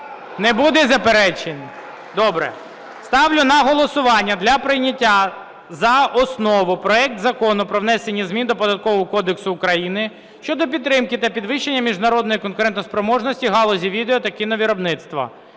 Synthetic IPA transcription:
nɛbud̪ɛzɐpeɾɛt͡ʃenʲ | d̪ɔbɾɛ̰ | st̪ɑʋlʲʊnɐɦɔlˠɔsʊʋɑnʲːɐd̪lʲɐpɾɪjnʲɐtʲːa | zɐɔsnɔʋʊpɾɔɛk̚t̪zɐkɔnʊpɾɔʋnɛsenʲːizmʲind̪ɔpɔd̪ɐt̪̚kɔʋɔɦɔkɔd̪eksʊːkɾɐjinɪ | ʃt͡ʃɔd̪ɔp̬ʲid̪ːɾɪmkɪt̪ɐpʲid̪ʋɪʃːenʲːɐmʲiʒnɐɾɔd̪nɔjikɔnkʊɾɛnt̪ɔspɾɔmɔʒnɔsʲtʲiɦɑlˠɔzʲiʋʲid̪eɔt̪ɐkinɐʋʲiɾɔbnɪt̪st̪ʋɐ̰

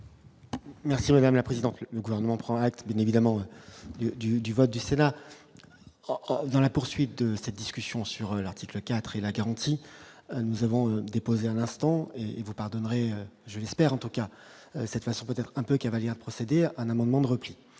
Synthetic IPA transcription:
mɛʁsimad̪amlapχezid̪ɑ̃t̪lələɡuvɛʁnəmɑ̃pχɑ̃ak̚t̪bjɛ̃nevid̪amɑ̃ød̪yd̪yd̪yvɔt̪̚d̪ysena | d̪ɑ̃lapuʁsɥit̪̚d̪əsɛt̪̚d̪iskʲysjɔ̃syʁølaʁt̪ʰikləkʲat̪χelaɡaʁɑ̃t̪inuzavɔ̃ød̪epozeɛ̃lɛ̃st̪ɑ̃eːvupaʁd̪ɔnʁeøʒəlɛspɛʁɑ̃t̪uka | øsɛt̪fasɔ̃pøt̪ɛt̪χɛ̃pøkavaljɛʁd̪əpχɔsed̪eɛ̃namɑ̃d̪mɑ̃d̪əʁəpli

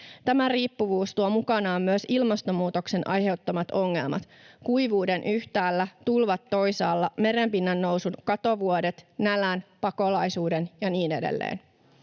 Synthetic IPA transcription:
t̪æmæriːpːuʋuːst̪uomukɑnɑːmmyøsilmɑst̪omuːt̪o̞kse̞nʔɑ̰jɦe̞uwt̪ːomɑt̪o̞ŋːe̞̰lmɑ̰t̪ | kuiʋuːde̞nʔyht̪æːlːæt̪ulʋɑt̪ːo̞jsɑːlːɑme̞ɾempinːænːo̞wsunkɑt̪o̞ʋuode̞t̪nælænpɑko̞lɑjsuːdenjɑniːne̞dḛlːḛːn

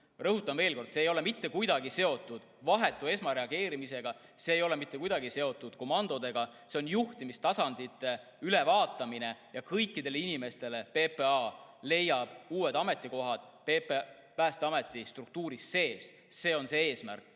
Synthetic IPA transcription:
rɤɦut̪ːˑɑmve̞ːlko̞rd̪̥seːjo̞le̞mit̪ːe̞kujd̪ɑɡise̞o̞t̪ːˑud̪̥vɑɦe̞t̪ːˑue̞smɑɾe̞ɑɡ̥e̞ːɾimise̞ɡ̥ɑ | se̞ːjo̞le̞mit̪ːe̞kujd̪ɑɡise̞o̞t̪ːˑud̪̥ko̞mɑnd̪̥o̞d̪e̞ɡ̥ɑse̞o̞njuht̪imist̪ɑsɑnd̪̥it̪ːˑe̞ | yle̞vɑːt̪ːˑɑmine̞jɑkɤjkːˑid̪e̞leinime̞st̪e̞le̞pe̞peɑle̞jɑb̥uːwe̞d̪ɑme̞t̪ːˑiko̞ɦɑd̪̥pepe | pæːst̪eɑme̞t̪ːˑist̪ruk̚t̪uːɾisːe̞ːs | se̞ːo̞nse̞e̞ːsmæ̰rkːˑ

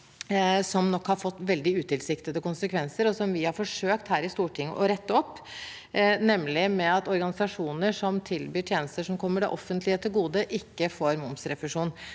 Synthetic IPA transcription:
sɔmnɔkhɑɾfɔt̪ːʋɛld̪ɪʉːt̪ɪlsɪkt̪əd̪əkʊnsəkʰʋɛnsəɾɔsɔmʋɪhɑɾfɔʂøːkt̪hæːɾɪst̪uːʈʰɪŋːə̰ʔɔɾɛt̪ːəɔpː | nɛmːlɪmɛɑt̪ɔɾɡɑnɪsɑʂuːnəʂɔmt̪ʰɪlbyːʈʰjeːnəst̪əʂɔmkʰɔmːəɖɛ̰ʔɔfːənt̪lɪət̪ʰɪlɡuːd̪əʔɪkːəfoːɾmʊmsɾɛfʉʂuːn

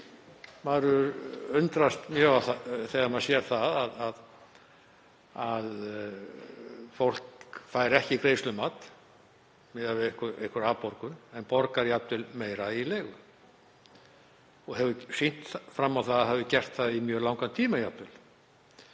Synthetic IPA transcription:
maðɾʏɾʏnt̪ɾast̪mjœːaθaθɛːɣaɾmaðsjɛɾ̥θaðaðað | að | fowl̥kfaːjɾɛhcɪikɾejslʏmaːt̪ | mɪðavɪðehkʏɾḛhkʏɾaːpɔɾkʏnɛnpɔɾkaɾjapt̪ɪlmeːjɾaileːjɣʏ | ɔɣɦɛvʏsin̥t̪fɾamːawθaðaɦɛvðʏcɛr̥t̪θaðimjœːlawŋkant̪ʰiːmajat̪ːɪl

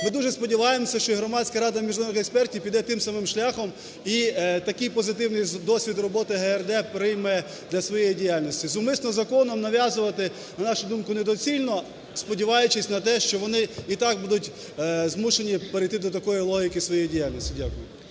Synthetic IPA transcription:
mɪd̪uʒɛspɔdʲiʋɑjemɔsʲɐʃt͡ʃɔiɦɾɔmɑsʲkɐɾɑd̪ɐmʲiʒnɔnɪxekspɛrtʲiwpʲid̪ɛt̪ɪmsɐmɪmʃlʲaxɔm | it̪ɐkɪjpɔzɪt̪ɪwnɪjd̪ɔsʲʋʲid̪rɔbɔt̪ɪɦɛɛrd̪ɛpɾɪjmɛ | d̪lʲɐsʋɔjejidʲijalʲnɔsʲtʲizʊmɪsnɔzɐkɔnɔmnɐʋʲjazʊʋɐt̪ɪ | nɐnɑʃʊd̪umkʊned̪ɔt͡sʲilʲnɔ | spɔdʲiʋɑjʊt͡ʃɪsʲnɐt̪ɛʃt͡ʃɔʋɔnɪit̪ɑɡ̚bud̪ʊtʲ | zmuʃenʲipeɾɪjt̪ɪd̪ɔt̪̬ɐkɔjilˠɔɦʲikɪsʋɔjejidʲijalʲnɔsʲtʲidʲakʊjʊ

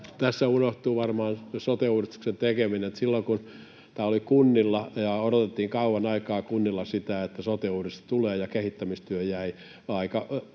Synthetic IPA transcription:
t̪æsːæunoht̪uːʋɑrmɑːnsot̪euːrist̪u̥ksent̪ekemineet̪silːoŋkun | t̪æːolikunːilːɑjɑoɾot̪et̪ːiːŋkɑuwɑnɑikɑːkunːilːɑsit̪æet̪ːæsot̪euːrist̪ɑ̥t̪uleːjɑkehit̪ːæmist̪yøjæi | ɑikɑ

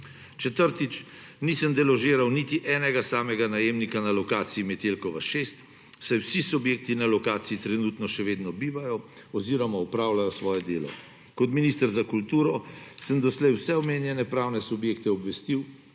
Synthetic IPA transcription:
t͡ʃɛt̪əɾt̪it͡ʃ | nisəmd̪ɛlɔʒeːɾawnit̪iʔɛːnɛɡasaːmɛɡanajeːmnikanalɔkaːt̪siimɛt̪elkɔʋaʃest̪ | sajwsisubjeːk̚t̪inalɔkaːt̪siit̪ɾɛnuːt̪nɔʃɛʋeːd̪nɔbiːʋajɔ | ɔziːɾɔmaɔpɾaːwlajɔsʋɔːjɛd̪eːlɔ̰ | kɔt̪miniːst̪əɾzakult̪uːɾɔsəmd̪ɔslɛjwsɛɔmeːnjɛnɛpɾaːwnɛsubjeːkt̪ɛɔbʋɛst̪iw

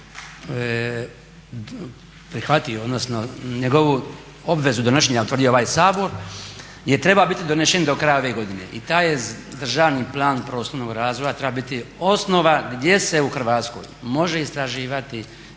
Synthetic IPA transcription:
pɾixʋat̪ijood̪nosnoɲeɡo̞ʋu | o̞bʋe̞zud̪oneʃeɲaut̪ʋr̩d̪ijooaːjsaːbo̞ɾ | jet̪ɾe̞babit̪id̪oneʃend̪o̞kɾajao̞ʋe̞ɡo̞d̪ine̞̰ʔit̪aːjed̪r̩ʒaːʋniplˠaːnpɾo̞ːsoɾnoɡɾaːzʋojat̪ɾe̞babit̪io̞sno̞ʋaɡd̪je̞se̞uxr̩ʋaːt̪sko̞̰jmo̞ʒeist̪ɾaʒiːʋat̪i

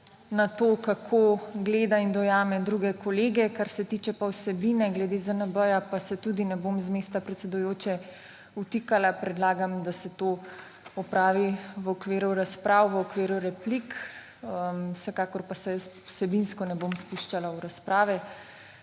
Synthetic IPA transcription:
nat̪oːkakʰoɡleːd̪aind̪ɔjaːmɛd̪ɾuːɡɛkɔleːɡɛkaɾsɛt̪it͡ʃɛpawsɛbinɛɡlɛd̪ezənəbəjapasɛt̪ud̪inɛbomzmeːst̪apɾɛt̪sɛd̪ujoːt͡ʃɛ | ut̪ikalapɾɛd̪laːɡamd̪asɛt̪oː | ɔpɾaːʋiʋɔkʋeːɾuɾaspɾʔaːwʋəɔkʋeːɾuɾɛplik | əwsɛkaːkɔɾpasɛjəsu̥sɛbinskɔnɛbomspuʃt͡ʃalauɾaspɾaːʋɛ

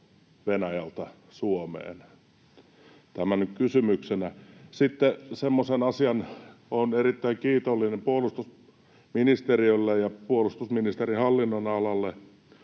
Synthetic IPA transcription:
ʋenæjɑlt̪ɑ | suomḛːn | t̪æmænykkysymyksenæsit̪ːesemːosenɑsiɑnonerit̪ːæiŋkiːt̪olːinempuolust̪us | minist̪eriølːejɑpuolust̪usminist̪erihɑlːinːonɑlɑlːe

